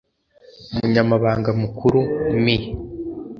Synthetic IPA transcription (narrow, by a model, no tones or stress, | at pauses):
umuɲamaβaːŋɡamukʰuɾumi